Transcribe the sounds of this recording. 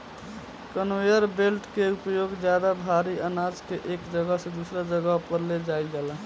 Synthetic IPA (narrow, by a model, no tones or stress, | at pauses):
kənwejəɾbelʈkeupjoɡd͡ʒjad̪abʱaɾiənad͡ʒkeʔeːkd͡ʒəɡəɦsẽd̪usɾad͡ʒəɡəɦpəɾled͡ʒajd͡ʒaːla